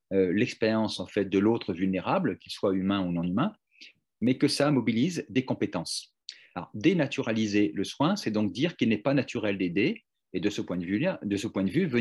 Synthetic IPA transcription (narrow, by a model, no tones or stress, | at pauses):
ølɛkspeʁjɑ̃sɑ̃fɛt̪̚d̪əlot̪χəvylneʁablkʲilswaymɛ̃unɔ̃nymɛ̃ | mɛkəsamɔbilizd̪ekɔ̃pet̪ɑ̃s | alɔ̰ʁd̪enat̪yʁalizeləswɛ̃sɛd̪ɔ̃k̚d̪iʁkilnɛpanat̪ʰyʁɛld̪ed̪e | ed̪əsəpwɛ̃d̪vylad̪əsəpwɛ̃d̪əvyvə